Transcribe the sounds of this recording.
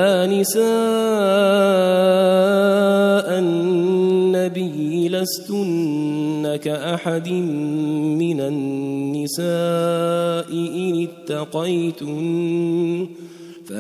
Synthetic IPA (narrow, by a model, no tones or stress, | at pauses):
aːnɪsaː | ʔanː | abijlast̪ʊnː | akaʔaħad̪ɪmmɪnaːɪsaː | ʔɪʔɪnɪt̪ːɑqɑjt̪ʊ | fa